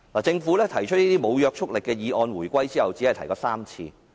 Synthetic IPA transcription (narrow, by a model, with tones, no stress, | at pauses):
laː˨˩t͡sɪ˧ŋfuː˨˥lɛː˥t̪ʰɐ˨˩jt͡ʃʰɵ˥t̚niː˥t̪iː˥mo˨˧wjœː˧k̚t͡ʃʰʊ˥k̚lɪ˨kːɛː˧jiː˨˧ʔɔː˧nwuː˨˩jkʷɐ˥jt͡siː˥hɐ˨wt͡siː˨˥hɐ˨jt̪ʰɐ˨˩jkɔː˧saː˥mt͡sʰḭː˧